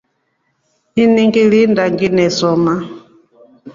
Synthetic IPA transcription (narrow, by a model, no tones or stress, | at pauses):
iniŋɡilindaŋɡinɛsɔma